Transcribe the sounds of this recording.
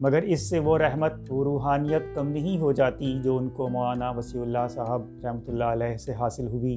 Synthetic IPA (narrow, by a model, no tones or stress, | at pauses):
mɐɡəɾɪsːeʋoɾɛɦmət̪̚oɾuːɦaːnijət̪kɐmnɐɦĩɦod͡ʒaːt̪id͡ʒoːʊnkomɔaːnaʋɐsiːʊlːasaːɦəb̚ɾɛɦmət̪ʊlːaɐlɛːɦseɦaːsɪlɦʊiː